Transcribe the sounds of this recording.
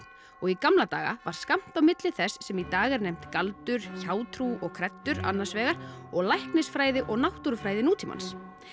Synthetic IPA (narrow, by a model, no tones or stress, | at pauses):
ɔɣikamlat̪aːɣa̰vaɾ̥skam̥t̪awmɪt̪lɪθɛsːɛmit̪aːɣɛɾnɛjm̥t̪kalt̪ʏɾ̥çaːwt̪ʰɾuɔɣkʰɾɛt̪ːʏɾa̰nːaɾ̥svɛːɣaɾ̥ɔɣlajhknɪsfɾaːjðɪʔɔɣnawht̪uɾfɾaːjðɪnuːt̪ʰima̰ns